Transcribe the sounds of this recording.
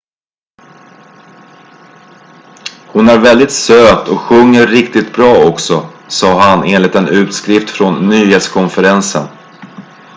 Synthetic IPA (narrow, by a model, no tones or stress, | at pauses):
hʊnæɾvɛld̪ɪt̪søːt̪ʰɔkɧɵŋːəɾːɪkt̪ɪt̪bɾɑːɔksɔsɑːɦaneːnlɪt̪ɛnʉ̟ːt̪skɾɪft̪fɾɔnːyːheːt̪skʰɔnfəɾɛnsə̰n